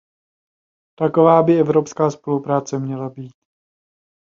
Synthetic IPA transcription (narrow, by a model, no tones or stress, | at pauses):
t̪ako̞vaːbɪɛvɾopskaːspo̞lupɾaːt͡sɛmɲɛlabiːt̪